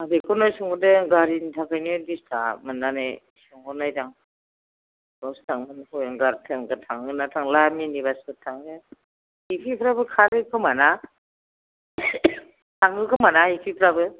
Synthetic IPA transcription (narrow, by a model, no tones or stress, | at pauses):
abekʰɔnajsɯŋɡɔdeɡaɾintʰakʰajnɯdistʰamɯnːane | sɯŋɡɔnajdaŋ | ɡɔstʰaŋmɯnhɔjaŋɡaɾtʰɯŋɡɯtʰaŋɯnatʰaŋlaminibasɯtʰaŋɯ | hipʰipʰɾabɯkʰaɾɯkʰɯmana | tʰaŋɯkʰɯmanahipʰipʰɾabɯ